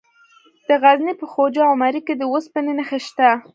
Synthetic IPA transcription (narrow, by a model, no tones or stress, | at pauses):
d̪̥əɣaznipəxod͡ʒɑawmaɾiked̪əwospənənəxeʃt̪a